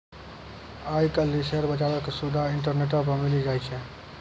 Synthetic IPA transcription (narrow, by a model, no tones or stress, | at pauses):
ajkəliseɾbət͡ʃabɛkesubd̪ʱaiɳʈ̬əɾneʈ̬əpəmilid͡ʒajt͡ʃʰɛ